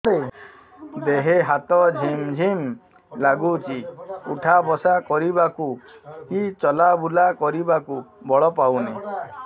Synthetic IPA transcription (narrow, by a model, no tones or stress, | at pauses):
ɾe | d̪eɦeɦat̪ɔd͡ʒʱimd͡ʒʱim | laɡut͡ʃʰiuʈʰabɔsakɔɾibakukit͡ʃɔlabulakɔɾibakubɔɭɔpawne